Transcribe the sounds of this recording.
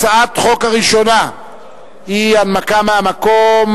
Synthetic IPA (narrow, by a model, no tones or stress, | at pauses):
t͡saat̪χokaʁiʃona | ianmakamamakom